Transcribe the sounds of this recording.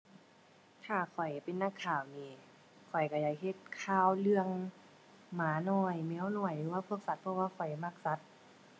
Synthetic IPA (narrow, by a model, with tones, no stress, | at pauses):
t̪ʰaː˧˩kʰɔ˨˩jpe˧˨nːa˧˨kʰːaː˨˩wniː˧˩ | kʰɔ˨˩jka˧˩jaː˧˩k̚ɦe˧˩t̪̚kʰaː˧˨wlɯ˧əŋ | maː˨˦nɔː˧˩jmɛ˧˦˥wnɔ˧˩əjlɯː˨˦waː˧pʰu˧ək̚sa˧˦t̪̚pʰɔ˧waː˧kʰɔ˨˩jma˧˩k̚sa˧˦t̪̚